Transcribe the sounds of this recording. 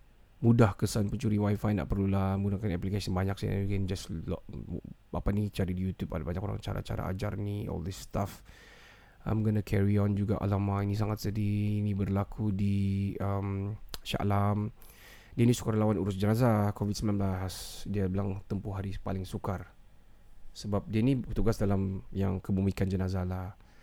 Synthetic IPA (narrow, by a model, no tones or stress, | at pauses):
mudahkəsanpəɲt͡ʃuɾiwajfajna̰ʔpərlulahməɡunakanɛplikasənbaɲak̚saa̰kɛnd͡ʒaslɔ̰ʔapanit͡ʃaɾidijut̪juba̰dabaɲakoɾa̰ŋt͡ʃa̰ɾa̰t͡ʃa̰ɾa̰ʔa̰d͡ʒa̰rniɔ̰ldəst̪af | ə̰məɡənakʰɛɾiɔnd͡ʒuɡaʔa̰lamainis̬aŋat̪sədiːnibərlakʰudiəmʃa̰ʔlam | dianisu̥karlawanuɾʊsd͡ʒənazakovidsəmbilanblasdiabəlaŋt̪əmpʊɦaɾipalɪŋsukar | səbap̚dianibət̪uɡasdalamjaŋkəbumikand͡ʒənazalah